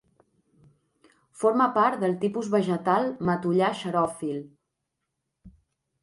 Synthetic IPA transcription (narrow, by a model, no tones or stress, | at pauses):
foɾməpaɾt̪d̪əlˠt̪ipuzβəʒət̪alˠmət̪uʎaʃəɾɔfil